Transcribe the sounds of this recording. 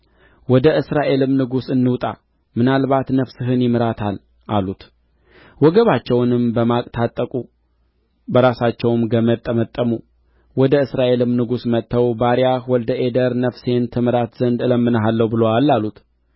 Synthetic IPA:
wɔd̪əʔɨsɾaʔe̞lɨmnɨɡusɨnːɨwt̪ʼa̰ | mɨnalβat̪nəfsɨɦɨnjɪmɾat̪ʰal | ʔalut̪ | wɔɡəβat͡ʃːɛwnɨmbəmakʼt̪ʰat̪ʼːəkʼu | bəɾasat͡ʃːɛwmɡəmət̪ʼːəmət̪ʼːəmu | wɔd̪əɨsɾaʔe̞lɨmnɨɡusmət̪ːəwbaɾjahwɔld̪əʔed̪əɾnəfse̞nt̪ʰɨmɾat̪z̥ənd̪ɨləmːɨnəɦalːəwbɨloalːalut̪

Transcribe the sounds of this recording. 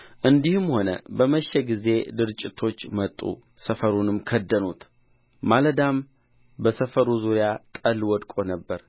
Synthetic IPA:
ʔɨnd̪ihɨmho̞nə̰bəməʃɛɡize̞d̪ɨɾt͡ʃʼːɪt̪ʰo̞t͡ʃːmət̪ʼːṵ | səfəɾunɨmkʰəd̪ːənut̪ | maləd̪am | bəsəfəɾuzuɾjat̪ʼəlwɔd̪kʼo̞nəbːəɾ

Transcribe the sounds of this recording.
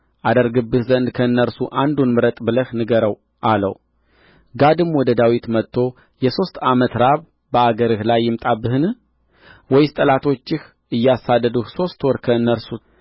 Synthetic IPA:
ʔad̪əɾɡɨbːɨhzənd̪kʰəɨnːəɾsuʔand̪unmɨɾət̪ʼbɨləhnɨɡəɾəw | ʔalə̰w | ɡad̪ɨmwɔd̪əd̪awit̪mət̪ʰːo̞ | jɛso̞st̪amət̪ɾaβ | bəaɡəɾɨhlajːɪmt̪ʼabːɨhɨn | wɔjst̪ʼəlat̪ʰo̞t͡ʃːɪh | ʔɨjːasad̪ːəd̪uhso̞st̪wɔɾkʰəɨnːəɾsu

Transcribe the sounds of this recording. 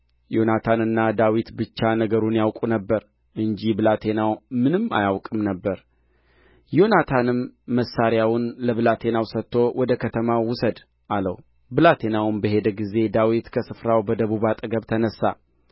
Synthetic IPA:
jo̞nat̪ʰanɨnːad̪awit̪bɨt͡ʃːanəɡəɾunjawkʼunəbːəɾ | ʔɨɲd͡ʒibɨlat̪ʰe̞nawmɨnɨmːa̰jawkʼɨmnəbːəɾ | jo̞nat̪ʰanɨmːəsːaɾjawʊnləβɨlat̪ʰe̞nawsət̪ːo̞wɔd̪əkʰət̪ʰəmawʊsəd̪ | ʔaləw | bɨlat̪ʰe̞nawnbəɦe̞d̪əɡize̞d̪awit̪kʰəsɨfɾawbəd̪əβuβat̪ʼəɡəβt̪ʰənəsːa̰

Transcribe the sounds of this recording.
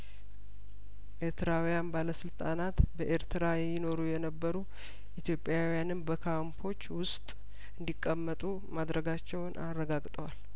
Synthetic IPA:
ʔeɾt̪ʰɨɾawijanbaləsɨlt̪ʼanat̪bəʔeɾt̪ʰɨɾajɪno̞ɾujɛnəbːəɾu | ʔit̪ʰjo̞pʼːjawijanɨnbəkʰampʰo̞t͡ʃːwʊst̪ʼ | ɨnd̪ikʼːəmːət̪ʼu | mad̪ɾəɡat͡ʃːɛwnʔarːəɡaɡt̪ʼəwal

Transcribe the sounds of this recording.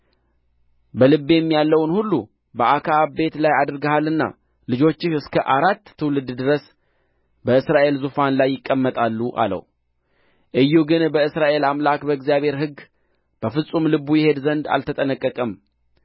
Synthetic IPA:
bəlɨbːejɛmːijalːəwnhulːu | bəʔakʰaːbe̞t̪lajad̪ɾɡahalɨnːa̰ | lɨd͡ʒo̞t͡ʃːɪɨskʰəʔaɾat̪ʰːɨwlɨd̪d̪ɨɾəs | bəɨsɾaʔe̞lzufanlajːɪkʼːəmːət̪ʼalːuʔa̰lə̰w | ʔɨjːuɡɨnbəɨsɾaʔe̞lamlakbəɡzjaβe̞ɾɦɨɡ | b̥əfɨsʼumlɨβujɛhe̞d̪zənd̪a̰lt̪ʰət̪ʼənəkʼːəkʼəm

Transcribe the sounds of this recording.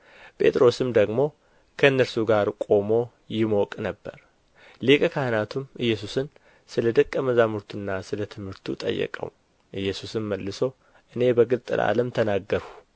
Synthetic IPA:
pʰʼe̞̰t̪ʼɾo̞sɨmd̪əɡmo̞ | kʰəɨnːəɾsuɡaɾkʼo̞mo̞ | jɪmokʼnəbːə̰ɾ | lekʼəkʰahɨnat̪ʰumʔɨjːɛs̬usɨn | sɨləd̪əkʼːəməzamɨɾt̪ʰunːasɨlət̪ʰɨmhɨɾt̪ʰut̪ʼə̰jːə̰kʼə̰w | ʔɨjːɛsusɨmməlːɨso̞ | ʔɨne̞bəɡɨlt̪ʼɨ̰lʔa̰ləmt̪ʰənaɡːəɾhu

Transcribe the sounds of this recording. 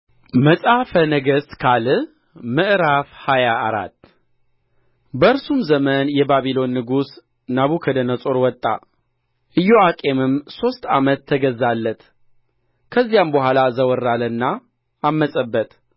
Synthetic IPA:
məsʼafənəɡəskʰalɨ | mɨʔɾafhajaʔːɾa̰t̪ː | bəɨɾsumzəmənjɛbaβilo̞nːɨɡus | naβukʰəd̪ənəsʼoɾwɔt̪ʼːa̰ | ʔɨjːoakʼe̞mɨmso̞st̪a̰mət̪ʰːəɡəzːalːət̪ | kʰəzːijambəɦalazəwɔrːalənːaː | mːəsʼəbːət̪

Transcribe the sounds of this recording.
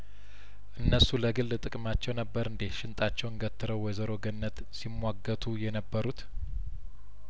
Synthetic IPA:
ʔɨnːəsuləɡɨlːt̪ʼɨkʼɨmat͡ʃːɛwnəbːəɾɨnd̪eʃɪnt̪ʼat͡ʃːɛwɨnɡət̪ʰːɨɾəwːɔjzəɾo̞ɡɨnːət̪ | simwaɡːət̪ʰujɛnəbːəɾut̪

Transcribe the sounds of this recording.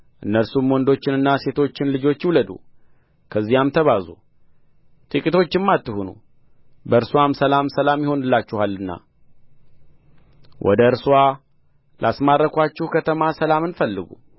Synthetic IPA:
ʔɨnːəɾsumwɔnd̪o̞t͡ʃːɪnɨnːase̞t̪ʰo̞t͡ʃːɪnlɨd͡ʒo̞t͡ʃːuləd̪ṵ | kʰəzːijamt̪ʰəβazṵ | t̪ʼɨkʼit̪ʰo̞t͡ʃːɪmːat̪ːɨhunṵ | bəɨɾswamsəlamsəlamjɪho̞nɨlːat͡ʃːɪhalːɨnːa̰ | wʔɔ̰d̪əɨɾswa | lʔasmarːəkʰʷat͡ʃːɪhkʰət̪ʰəmasəlamɨnfəlːɨɡṵ

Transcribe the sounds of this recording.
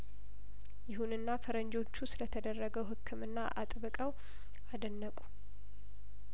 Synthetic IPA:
jɪɦunɨnːafəɾəɲd͡ʒo̞t͡ʃːusɨlət̪ʰəd̪ərːəɡəwɦɨkʰːɨmɨnːaʔa̰t̪ʼbɨkʼəw | ad̪ənːəkʼu̥

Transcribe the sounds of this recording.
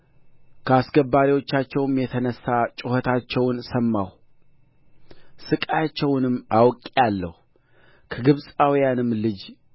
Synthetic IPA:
kʰəasɡəbːaɾiwo̞t͡ʃːat͡ʃːɛwmjɛt̪ʰənəsːat͡ʃʼɪhət̪ʰat͡ʃːɛwnsəmːaw | sɨkʼajat͡ʃːɛwnɨmːawkʼijalːəhu | kʰəɡɨβsʼawijanɨmːlɨd͡ʒ

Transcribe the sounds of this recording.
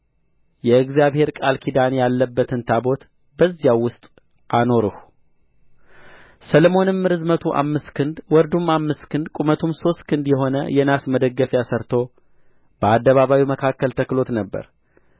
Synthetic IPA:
jɛɨɡzijaβhe̞ɾkʼalkʰid̪anjalːəbːət̪ʰɨnt̪ʰabo̞t̪ | bəzːjawwːʊst̪ʼ | ʔano̞ɾɨhu | səlmo̞nɨmːɨɾɨzmət̪ʰuʔa̰mːɨst̪kʰɨnd̪wɔɾd̪umamːɨst̪kʰɨnd̪kʼumət̪ʰumso̞st̪kʰɨnd̪jɛɦo̞nə̰jɛnasməd̪əɡːəfjasəɾt̪ʰo̞ | b̥əad̪ːəβaβawiməkʰakːəlt̪ʰəklo̞t̪nəbːə̰ɾ

